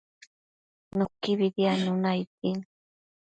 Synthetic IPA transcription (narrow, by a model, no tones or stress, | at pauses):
nokɪβɪd̪janʊnajt̪ɪŋ